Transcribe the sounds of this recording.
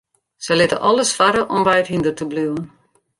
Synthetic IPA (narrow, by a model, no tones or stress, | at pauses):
sɛlɪtə̰ʔɔlˠəsfaɾəʔɔmʋɛjtɦindərtəblywən